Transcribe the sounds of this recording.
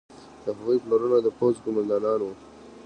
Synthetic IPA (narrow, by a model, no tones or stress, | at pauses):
d̪̥əɦaɣujploɾunad̪əpozkʊmand̪ɑnɑnwu